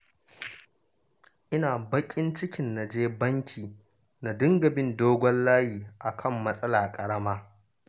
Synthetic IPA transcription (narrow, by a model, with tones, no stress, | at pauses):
ʔɪ˦naː˨bɐ˦kʲʼɪ˦nt͡ʃɪ˦kʲɪ˨nːa˨d͡ʒeː˦bɐ˦ŋkʲʰiː˨ | na˨dɪ˦ŋɡɐ˨bɪ˦˨ndoː˦ɡʷɔ˦llaː˦hiː˨ʔa˨kʰɐ˦˨mːɐ˦sʼɐ˦laː˨kʼɐ˨ɽɐ˦maː˦